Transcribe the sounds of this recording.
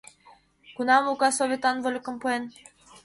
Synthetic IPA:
kunɑmukɑsovʲet̪ɑnvolʲkŏmpuen

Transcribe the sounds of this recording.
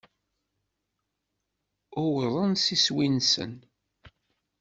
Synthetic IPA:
ʊwðˤənsiswinsə̰n

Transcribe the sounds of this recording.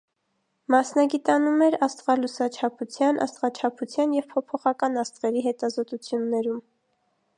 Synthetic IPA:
mɑsnɑɡit̪ɑnumɛɾɑst̪ʁɑlusɑt͡ʃʰɑpʰut͡sʰjɑnʔɑ̰st̪ʁɑt͡ʃʰɑpʰut͡sʰjɑnjɛvpʰɔpʰɔχɑkɑnɑst̪ʁɛɾiɦɛt̪ɑzɔt̪ut͡sʰjunːɛɾum

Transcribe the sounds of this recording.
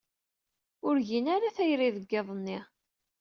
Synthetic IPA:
ʊɾʝinaɾaθæjɾiðəɡːɪðˤnːi

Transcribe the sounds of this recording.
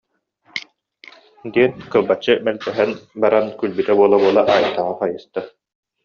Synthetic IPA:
d̪iɛnkɯlˠbat͡ɕːɯmɛlt̪ɛɦɛnbaɾankylbyt̪ɛbuɔlˠabuɔlˠaʔaːjt̪ːaʁaχajɯst̪a

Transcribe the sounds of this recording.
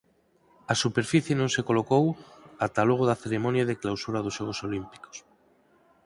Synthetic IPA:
asupeɾfiθjenõŋsekolokowat̪aloɣ̞oðaθeɾemonjaðeklawsuɾað̞oʒʃoɣ̞osolimpi̥ko̥s

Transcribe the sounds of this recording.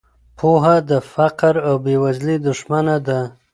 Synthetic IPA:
pʰoɦad̪əfaqɾawbewazlid̪ʊʃmanad̪a

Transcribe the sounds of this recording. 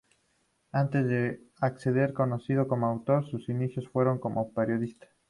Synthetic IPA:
ant̪e̞zðe | akseðe̞ɾkonosið̞oko̞moawt̪o̞ɾsusinisjo̞sfwe̞ɾoŋko̞mʔopeɾjo̞ðist̪ḁ

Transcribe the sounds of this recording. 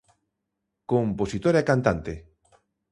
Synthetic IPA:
komposit̪oɾakant̪ant̪e

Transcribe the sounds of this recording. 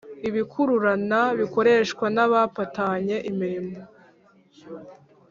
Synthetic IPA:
iβikʰuɾuɾanaβiko̞ɾe̞ʃkwanaβapataɲe̞ʔimiɾimo

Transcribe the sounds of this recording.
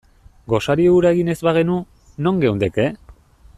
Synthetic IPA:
ɡo̞saɾiuɾaeɣine̞zβaɣ̞e̞nu | no̞ŋɡe̞wnd̪eke

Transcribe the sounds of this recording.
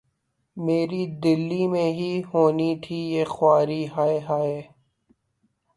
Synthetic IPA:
meːɾid̪ɪlːimẽɦiɦoːnit̪ʰijeːxʊwaːɾiɦaːeɦaːeː

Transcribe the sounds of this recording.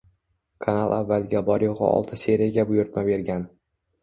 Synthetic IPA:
kʰanalˠʔavːalɡʲabɒɾjoʁɨ̰ɒ̰lˠt̪ʰɪse̞ɾijaɡʲabʊjʊɾt̪mabe̞ɾɡʲan

